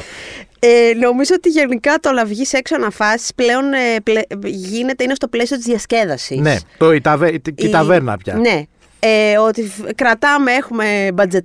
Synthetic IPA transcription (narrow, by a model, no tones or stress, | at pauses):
eno̞mizo̞ot̪iʝe̞nikɐt̪olɐvʝiseksoɐnɐfɐsi̥sple̞o̞nepleʝine̞t̪einest̪o̞ple̞sio̞t̪izðʝɐsce̞ðɐsinet̪oit̪ɐveit̪ɐveɾnɐ̰pçɐ̰ne̞ | eo̞t̪ikɾɐt̪ɐmee̞xume̞bɐd͡ze̞t̪